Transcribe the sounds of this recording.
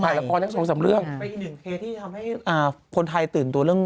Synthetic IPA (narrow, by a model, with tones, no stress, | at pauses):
a˨˩lɛ˦˥kɔː˧lɛ˥˩so˨˦sa˨˩˦mɾɯ˥˩əŋ˧nʔiː˨˧˩nɯ˨˩ŋkʰeː˧t̪ʰːiː˥˩t̪ʰa˧mha˥˩jʔaː˨˩kʰo˧nt̪ʰa˧jt̪ɯː˨˩nt̪u˧əɾɯ˥˩əŋ